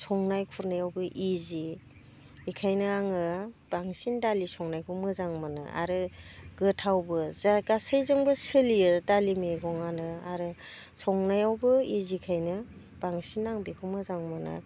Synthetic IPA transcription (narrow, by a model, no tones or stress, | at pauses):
sɔŋnajkʰuɾnajawbɯʔiziː | kʰajnɯaŋɯb̥aŋsindalisɔŋnajkʰumɯzaŋmɯnɯ̰ʔa̰ɾɯɡ̥ɯtʰawbɯzaɡasɯjzɯŋbɯsɯlijɯtalimeɡɔŋanɯaɾɯ | sɔŋnajawbɯizikʰajnɯ | b̥aŋsinaŋbekʰɔmɯzaŋmɯnɯ̰